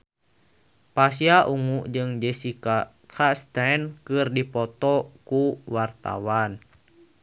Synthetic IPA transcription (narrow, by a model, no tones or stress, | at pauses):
pasiaʔuŋuʔd͡ʒɨŋd͡ʒɛsika | kʰast̪ankɨrdipɔt̪ɔkuwart̪a̰wan